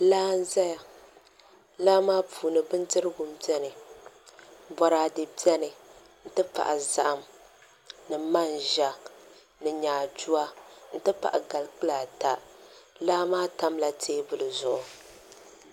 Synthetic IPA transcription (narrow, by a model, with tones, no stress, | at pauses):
laː˦n̩˦za˦ja˨ | laː˦maː˦puː˨nɨ˨bɨ˦ntɨ˦ɾɨ˦ɡʊ˨mbjɛ˦nɨ˨ | bɔ˨ɾaː˨dɨ˨bi˦ɛ˦nɨ˨ | n̩˦tɨ˦pa̰˨ʔa˨za̰˦ʔa˦m | nɨ˨ma˦˨nʒa˨ | nɨ˨ɲaː˨d͡ʒu˦a˦n̩˦tɨ˦pa̰˨ʔa˨ɡa˨lk͡pɨ˦laː˨ta˨laː˦maː˦ta˦mla˨tʰeː˦bʊ˨lɨ˨zʊ˨ʔʊ˨